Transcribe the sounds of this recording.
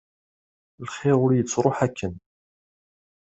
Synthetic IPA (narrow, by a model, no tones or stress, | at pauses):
lχeʁʊɾjət͡sːɾˤoħækːən